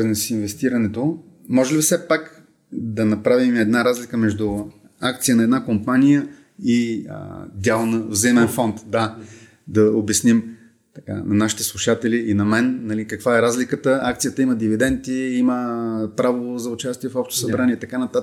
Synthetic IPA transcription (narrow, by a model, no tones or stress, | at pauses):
nɛsinvɛst̪iɾɐnɛt̪o | mɔʒɛlifsɛpak | d̪ɐnɐpɾavimɛd̪naɾazlʲikəmɛʒd̪ʊ | ak̚t̪sijənɐɛd̪nakompanijə | ḭ | d̪ʲalˠnəvzɐimɛnfɔnt̪d̪a | d̪ɐobjɐsnim | t̪ɐka̰nɐnaʃi̥t̪ɛ̥slˠuʃat̪ɛliinɐmɛnːɐlikəkvaɛɾazlikət̪əak̚t̪sijət̪əiməd̪ivid̪ɛnt̪iiməpɾavozɐʊt͡ʃast̪iɛfɔpʃt̪o̥sɐbɾaniɛit̪ɐkanɐt̪at̪ə